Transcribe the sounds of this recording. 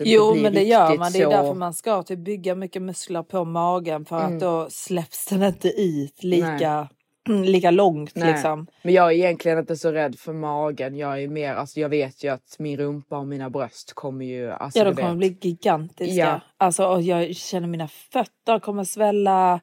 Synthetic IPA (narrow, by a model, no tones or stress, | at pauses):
juːmɛnd̪ɛjœːɾmand̪ɛjjd̪æɾfœɾmanskɑt̪ʰʉp̚bʏɡːamʏkːəmɵskləɾpʰɔmɑːɡənfœɾat̪̚d̪ɔslɛpsd̪ɛnɪnt̪əʔʉ̟ːt̪ʰliːka | liːkalɔŋt̪lɪksɔmmɛnjɑːɡæɾɪjɛnt̪lɪɡənɪnt̪ɛʂɔɾɛd̪ːfœɾmɑːɡənjɑːɡæɾmeːɾa̰lsɔjɑːɡveːt̪ʰjɵat̪mɪnɾɵmpaɔmiːnabɾœst̪kʰɔmːəɾjɵa̰ljaːd̪ɔmkʰɔmːəbliːɡɪɡant̪ɪskaalsɔɔjɑːɡɕɛnːəɾmiːnafœt̪ːəɾkʰɔmːəɾsvɛlːa